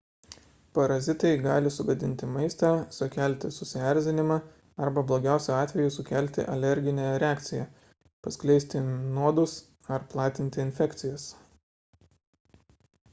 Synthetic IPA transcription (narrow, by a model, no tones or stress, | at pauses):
pɐɾɐzʲɪt̪ɐɪɡɑːlʲɪsʊɡɐd̪ʲɪnʲt̪ʲɪmɐɪst̪ɑsʊkʲæˑlʲt̪ʲɪsʊsʲɪæˑɾʲˑzʲɪnʲɪmɑː | ɐɾbɐblˠoːɡʲæˑʊsʲɛɑːt̪ʲʋʲɛjʊsʊkʲæˑlʲˑt̪ʲɪ̰ʔɐlʲɛɾʲɡʲɪnʲæːɾʲɛɑːkt̪sʲɪjæ | pɐsklʲɛɪsʲt̪ʲɪnuɔd̪ʊs | ɐɾplˠɑːt̪ʲɪnʲt̪ʲɪɪnʲfʲɛkt̪sʲɪjɛs